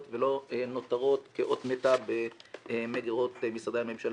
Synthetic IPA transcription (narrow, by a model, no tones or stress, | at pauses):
tvelo̞eno̞t̪aʁo̞t̪keʔot̪met̪abemeɡiʁo̞t̪misad̪aame̞mʃal